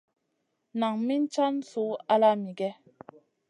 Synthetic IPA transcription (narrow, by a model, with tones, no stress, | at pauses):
na˨ŋmi˦n˦t͡ʃa˦nsu˨˦a˦la˦mi˨ɡɛ˦